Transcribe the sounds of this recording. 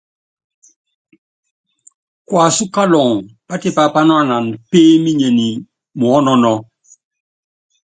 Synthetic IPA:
kwa˨su˦ka˦lɔ˨ŋpa˦ti˨pa˨pa˦nɔ˦a˦na˨npeː˦mi˦ɲe˨ni˨ | mu˨ɔ˦nɔ˦nɔ˦

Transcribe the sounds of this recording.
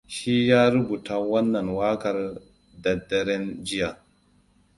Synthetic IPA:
ʃi˦jaː˦ɾu˦bu˨ta˨wɐ˦nːɐ˨nwaː˦kɐ˨ɾ | dɐ˨dɐ˨ɾɛ˦nd͡ʒi˦ja˨

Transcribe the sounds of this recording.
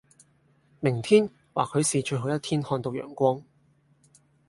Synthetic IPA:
mɪ˨˩ŋt̪ʰiː˥n | waː˨kʰɵ˨˧ɥsiː˨t͡ʃɵ˧ɥɦo˨˥wjɐ˥t̪ʰiː˥nhɔː˧nt̪o˧wjœ̰ː˨˩ŋkʷɔː˥ŋ

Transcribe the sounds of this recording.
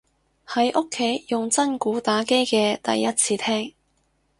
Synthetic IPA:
hɐ˨˥jʔʊ˥kʰːe˨˥jjʊ˨ŋt͡sɐ˥nkuː˨˥t̪aː˨˥ke˥jkɛː˧t̪ɐ̰˨jːɐ˥t̚t͡sʰiː˧t̪ʰɛː˥ŋ

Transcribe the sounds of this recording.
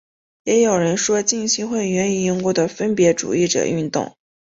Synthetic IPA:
jɛ˧˥jo˨˩ʊɻə˧˥nʂwɔ˥t͡ɕi˥˩ŋɕi˥xwe˥˩ɪɥɛ˧˥ni˨˩i˥ŋkwɔ˥˩d̪ə˩fə˥npjɛ˧˥ʈ͡ʂṵ˨˩i˥˩ʈ͡ʂɤ̰˨˩y˥˧nt̪ʊ̰˥˩ŋ

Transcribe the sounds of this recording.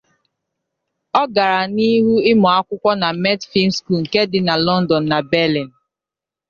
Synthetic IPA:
ɔ˦ɡa˨ɾa˨ni˦ɦu˦ɪ˦mɔ˨a˦kʷʊ˦kʷɔ˦na˨mɛ˦tfi˦n̩˦sku˦˨ŋ̩˨ke˦dɪ˨na˨lɔ˦n̩˦dɔ˨n̩ː˨a˨bɛ˦li˨n̩˨

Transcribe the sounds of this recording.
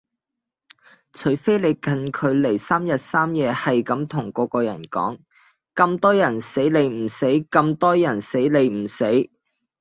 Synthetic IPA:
t͡ʃʰɵ˨˩fe˥jle˨˧jkɐ˧nkʰɵ˨˧ɥle˨˩jsaː˥mjɐ˨t̚saː˥mjɛː˨˧hɐ˨jkɐ˨˥mt̪ʰʊ˨˩ŋkɔː˨˧kɔː˧jɐ˨˩nkɔ̰ː˨˥ŋ | kɐ˧mt̪ɔː˥jɐ˨˩nse˨˥jle˨˧jm̩˨˩se˨˥jkɐ˧mt̪ɔː˥jɐ˨˩nse˨˥jle˨˧jm̩˨˩se˨˥j

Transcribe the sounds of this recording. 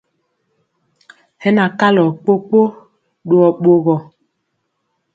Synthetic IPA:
hɛ˦na˨ka˦lɔ˨k͡po˦k͡po˦ | ɗwɔ˨ɓo˨ɣɔ˨

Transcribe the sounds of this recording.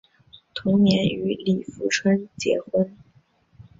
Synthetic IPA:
t̪ʰʊ˧˥ŋnjɛ˧˥ny˧˥li˨˩fu˧˥ʈ͡ʂʰwə˥nt͡ɕjɛ̰˧˥xwə˥n

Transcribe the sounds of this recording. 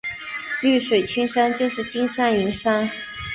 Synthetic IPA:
ly˥˩ʂwe˨˩ɪt͡ɕʰi˥ŋʂa˥nt͡ɕjo˥˧ʊʂɻ̩˥˩t͡ɕi˥nʂa˥ni˧˥nʂa˥n

